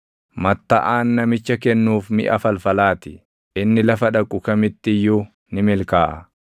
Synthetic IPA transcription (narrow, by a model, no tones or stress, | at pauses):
mɐt̪ːɐʔaːnːɐmɪt͡ʃːɐkɛnːuːfmɪ̰ʔɐfɐlfɐlaːt̪ɪ | ʔɪnːɪlɐfɐᶑɐkʼʊkɐmɪt̪ːɪjːʊ | nɪmɪlkaːʔɐ